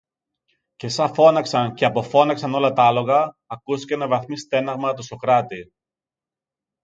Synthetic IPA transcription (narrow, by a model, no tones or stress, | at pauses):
ce̞sɐfo̞nɐksɐnce̞ɐpo̞fo̞nɐksɐno̞lɐt̪ɐɐlo̞ɣɐː | kusi̥cenɐvɐθmist̪e̞nɐɣmɐt̪uso̞kɾɐt̪i